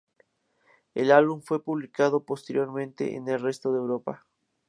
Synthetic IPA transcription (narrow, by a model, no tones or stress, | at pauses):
elalβuɱfwe̞puβ̞likaðopost̪eɾjo̞ɾmẽnt̪ḛʔḛnelre̞st̪oðewɾo̞pa